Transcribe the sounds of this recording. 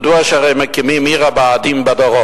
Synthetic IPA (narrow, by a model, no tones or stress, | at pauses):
d̪uaʃaʁɛjmɛkimimiʁabaːd̪imbad̪ɔʁɔ